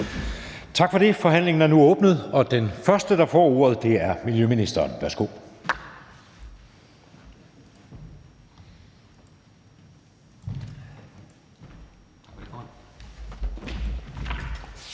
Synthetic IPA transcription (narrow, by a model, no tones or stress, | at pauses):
t͡sʰɑ̈ɡ̥fɒ̽ɾe̝fɒ̽ɦæn̰le̝ŋn̩æɐnuɔ̽ːb̥nð̞̩ˠɒ̽d̥enfɶɐsd̥əd̥ɑ̈fɒ̰ːo̝ːɐð̞̩ˠd̥e̝æɐmiljøminisd̥ɐːnʋæɐsɡ̥o̝̰ː